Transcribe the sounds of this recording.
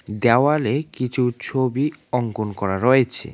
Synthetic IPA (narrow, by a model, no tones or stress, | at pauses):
d̪ɛoalekit͡ɕʰut͡ɕʰobiɔŋkonkɔɾaɾɔet͡ɕʰḛ